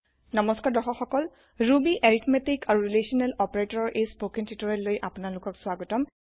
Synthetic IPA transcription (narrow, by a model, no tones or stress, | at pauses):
nɔmɔskadɔxɔxɔkɔl | ɹubiʔeɹitmetikʰaɹuɹilesiɔnɛlɔpaɹetɔɹɔɹʔejspokintʰitɔɹɛlojʔapʊnalʊkɔksʊaɡɔtɔm